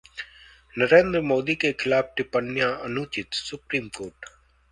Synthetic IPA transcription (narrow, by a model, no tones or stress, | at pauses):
nəɾẽːnd̪ɾmoːd̪ikekʰɪlaːf̚ʈɪpənːjaɐnuːt͡ʃɪt̪sʊpɾiːmkoːɾʈ